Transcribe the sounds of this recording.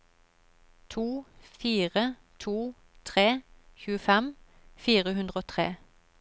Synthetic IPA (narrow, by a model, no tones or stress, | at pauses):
t̪ʰuːfiːʁə | t̪ʰuː | t̪ʰʁeːçʉːəfɛm | fiːʁəhʉnd̪ʁəoːt̪ʰʁḛː